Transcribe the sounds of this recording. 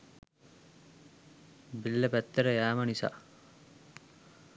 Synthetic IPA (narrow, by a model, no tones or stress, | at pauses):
bilːəpæt̪ːəɾəjæːmənisa̰ː